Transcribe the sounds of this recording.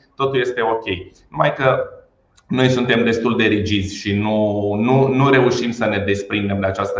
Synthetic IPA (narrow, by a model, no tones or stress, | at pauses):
t̪o̞t̪ulje̞st̪e̞o̞kʲe̞j | numajkə | no̞jsunt̪e̞md̪e̞st̪uld̪e̞ɾid͡ʒizʲʃinununuɾe̞uʃimsəne̞d̪e̞spɾind̪e̞md̪eat͡ʃast̪ə